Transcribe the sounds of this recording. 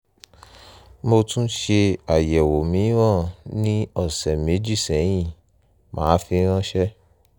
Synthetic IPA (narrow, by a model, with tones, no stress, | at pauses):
mo˧tũ˦ʃe˧a˨jɛ˨wo˨mĩ˨˦w̃ɔ̃˦˨nĩ˦ɔ˦˨sɛ˨mẽ˨˦d͡ʒi˦˨sɛ˨˦j̃ĩ˦˨ | mã̰ː˨˦fi˧ɾ̃ã˦ʃɛ˦